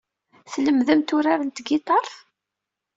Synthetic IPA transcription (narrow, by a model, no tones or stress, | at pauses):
θləmðəmt̪ʊɾaɾənt̪ɡit̪ˤɑɾˤθ